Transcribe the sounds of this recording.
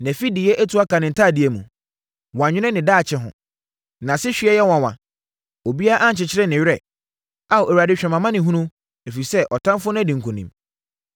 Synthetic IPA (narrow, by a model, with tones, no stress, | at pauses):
næ̃˨fi˦dɪ˨jɛ˦ʔæ˦tʰu˨˦a˦ka˨nɪ̃˨n̩˨tʰaː˦˨dɪ˨e˦mũ˨ | wɔ̃˨a˨ɲᶣɪ̃˦nɪ̃˦nɪ̃˨daː˦˨t͡ɕʰɛ˦ɦʊ̰̃˨ | nã˨sɪ˦ɕᶣɥɛ˦jɛ˦wɔ̃˨wã̰˨ | o˨bi˦a˦ʔa˦ɲ̩˨t͡ɕɪ˨t͡ɕʰɪ˦ɾɛ˦nɪ̃˨ɥɛ˨ | a˨ʔɛ˨ɾa˨dɪ˦ɕᶣɛ̃˨mã˨mã˦nɪ̃˨ɦũ˦nũ˦ | e˨fi˨sɛ˦ʔɔ˨tʰã˦mfʊ˦ñ˦æ˦dĩ˨ŋ̩˨kʰũ˨nḭ̃˨m